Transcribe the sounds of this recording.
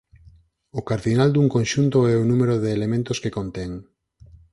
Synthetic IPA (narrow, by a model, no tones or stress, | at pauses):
ʊkaɾðinald̪uŋkõnʃunt̪oɛʊnũmeɾoðeːlemẽnt̪ʊskekont̪ɛŋ